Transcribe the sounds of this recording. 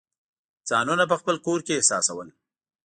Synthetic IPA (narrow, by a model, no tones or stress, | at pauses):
d͡zɑnunap̬əxpəlkoɾkeːhsɑsawəl